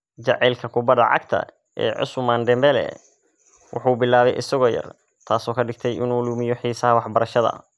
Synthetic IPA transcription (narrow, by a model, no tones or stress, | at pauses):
d͡ʒɐʕɛlkʰɐkʰʊbɐd̪ɐ̰ʕɑ̰ɡt̪ʰɐ̰ | ɛ̰ːʕʊ̰smaːnɖɛmbɛlɛ̰ | wʔʊ̰ħuːbɪlaːβɛjʔɪsɐɣɔːjɐ̰r | t̪ʰaːsɔːkʰɐɖɪɡ̚t̪ʰɛjʔɪ̰nuːluːmɪjɔħiːsɐɦɐwɑħbɐɾɐʃɐðɐ̰